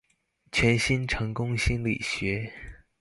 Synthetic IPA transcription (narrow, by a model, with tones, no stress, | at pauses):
t͡ɕʰɥɛ˧˥nɕi˥nʈ͡ʂʰɤ˧˥ŋkʊ˥ŋɕi˥nlḭ˨˩ɕɥɛ˧˥